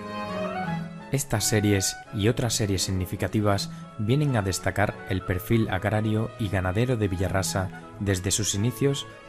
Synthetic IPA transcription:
e̞st̪asːe̞ɾje̞s | io̞t̪ɾasːe̞ɾje̞sːiɣnifikat̪iβ̞az | bje̞ne̞ŋaðe̞st̪akaɾe̞lpe̞ɾfila̰ɣɾaɾjoiɣanaðe̞ɾo̞ðe̞βiʎarasa | ðe̞zðe̞susiniθjo̞s

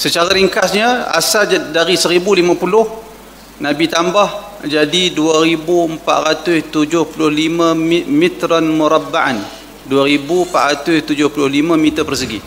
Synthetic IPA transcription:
sət͡ʃaɾaɾiŋkasɲəa̰sadaɾisəɾibulimãpulʊh | nabit̪ambah | d͡ʒadiduaɾibuəmpa̰ʔ̪ɾat̪ʊst̪ud͡ʒʊhpulʊhlimãmit̪ɾanmuɾabːaʔan | duaɾibumpa̰ʔɾat̪ʊst̪ud͡ʒʊhpulʊhlimãmit̪əpərsəɡi

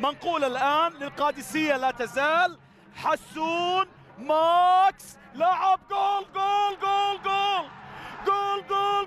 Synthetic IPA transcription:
manquːlalʔaːnlɪlqɑːd̪ɪsɪjːalat̪azaːl | ħasːuːn | maks | laʕɪb̚ɡʊːlɡʊːlɡʊːlɡʊːlɡʊːlɡuːl

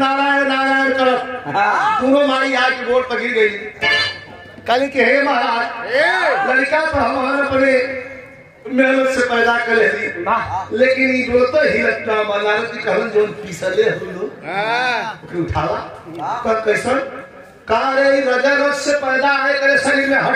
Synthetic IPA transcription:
naɾanaɾajənkəɾət̪ʰ | puɾomaɾiakboɽtəɡiɾəli | kalikiɦeməɦaɦə | ləɽikapəɾɦəmɦənəpne | meləsepəjd̪akəɾelilekiniboɾt̪əɦiət̪nabənalukikəɦənd͡ʒonpisəleɦud̪ʱu | okɾeuʈʰala | t̪əkəɪsən | kaɾeiɾəd͡ʒəɾətsepəjd̪aekəɾesəɾimeɦə

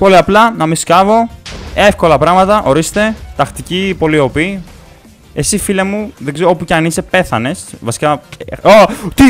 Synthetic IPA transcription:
poliɐplɐnɐmiskɐvo̞e̞fko̞lɐpɾɐɣmɐt̪ɐʔo̞ɾist̪e̞t̪ɐxt̪icipo̞lio̞pi | e̞sifile̞muðe̞ɡzeɾoopuceɐnise̞pe̞θɐne̞svɐsi̥kɐot̪i

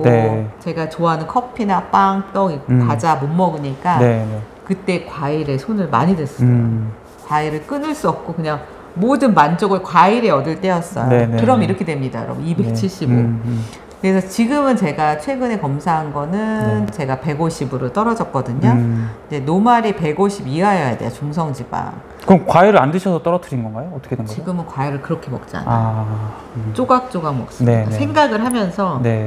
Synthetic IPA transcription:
oet͡ɕe̞ɡat͡ɕoɦanɯnkʰʌpʰinap͈aŋt͈ʌikad͡ʑamomːʌɡɯɲik͈ae | kɯt͈e̞kwaiɾe̞sʰonɯɭma̰ɲidwe̞s͈ɯo | kwaiɾɯɭk͈ɯnɯɭs͈uʌp̚k͈okɯɲaŋ | modɯnmand͡ʑoɡɯɭkwaiɾe̞ʌdɯɭt͈e̞ʌs͈ʌjoekɯɾʌmiɾʌkʰedwe̞mɲida̰jʌ̰ɾʌ̰bunime̞k̚t͡ɕʰiɕ͈ʰiɡo | kɯɾe̞sʰʌt͡ɕiɡɯmɯnt͡ɕe̞ɡat͡ɕʰwe̞ɡɯne̞kʌmsʰaɦanɡʌnɯnt͡ɕe̞ɡape̞ɡoɕʰibɯɾot͈ʌɾʌd͡ʑʌk̚k͈ʌdɯɲoid͡ʑe̞nomaɾipe̞ɡoɕʰibiajʌjadḛjat͡ɕuŋsʰʌŋd͡ʑiba̰ŋ | kɯkwaiɾɯɭandɯɕʰʌsʰʌt͈ʌɾʌtʰɯɾinɡʌnɡajoːt͈ʌkʰedeŋiɡɯmɯnkwaiɾɯɭkɯɾʌkʰe̞mʌk̚t͡ɕ͈a̰na | t͡ɕ͈oɡak̚t͡ɕ͈oɡaŋmʌk̚s͈ɯneasʰe̞ŋɡaɡɯɭɦamjʌnsʰʌne̞

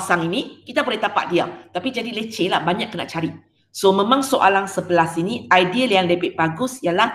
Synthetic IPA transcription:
saŋinĩkit̪apəlɛt̪apa̰ʔ̚dia̰t̪apid͡ʒadilət͡ʃelahbaɲakːəna̰ʔt͡ʃaɾiʔ | somẽmãŋsoʔalaŋsəbəlasiniajdiəljaŋlebɛʔ̚baɡʊsjalah

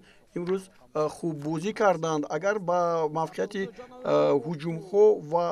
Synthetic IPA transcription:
imɾuz | χubːɔzikʰaɾd̪and̪aɡaɾbamafqʰejat̪ʰi | hud͡ʒumhɔva

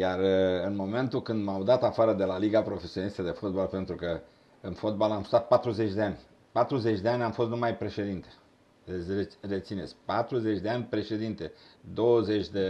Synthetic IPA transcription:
jarɨnmo̞me̞nt̪ukɨnd̪mawd̪at̪afaɾəd̪e̞laliɡapɾo̞fesio̞nist̪əd̪e̞fo̞t̪̚balpe̞nt̪ɾukə | ɨnfo̞d̪̚balamsu̥t̪at̪̚pat̪ɾuze̞t͡ʃʲd̪e̞anʲ | pat̪ɾuze̞t͡ʃʲd̪e̞anʲamfost̪numajpɾe̞ʃe̞d̪int̪e̥ | ereret̪sinetsʲpat̪ɾuzet͡ʃʲd̪e̞anʲpɾe̞ʃe̞d̪int̪e̞d̪o̞wəze̞t͡ʃʲd̪e̞

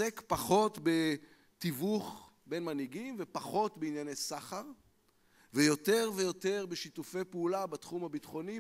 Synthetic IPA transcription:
ekpaχo̞tbe | tivuχ | be̞nmaniɡimvepaχo̞tbeinjanejsaχaʁ | vejote̞ʁvejo̞te̞ʁbeʃitufe̞jpeulabatχumhabitχo̞ni

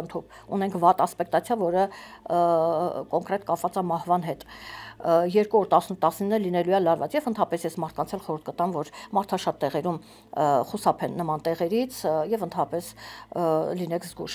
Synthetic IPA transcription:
ənt̪ʰup | unɛŋkʰvɑt̪ɑspɛkt̪ɑt͡sʰjɑvɔɾə | kɔŋkɾɛt̪kɑpvɑt͡sɑmɑhvɑn̪ɦɛt̪ | jɛɾkuɔɾt̪ɑsnut̪ːɑsninːəlinɛlujɛlɑɾvɑ̰t͡sjɛvənt̪ʰɑpɛsjɛsmɑt̪ʰkɑnt͡sʰɛlχɔɾuɾt̪ʰkət̪ɑnvɔɾmɑɾt̪ʰɑʃɑt̪ːɛʁɛɾum | χusɑpʰɛnːəmɑnt̪ɛʁɛɾit͡sʰjɛvənt̪ʰɑɑpɛs | linɛkʰzɡṵʃ

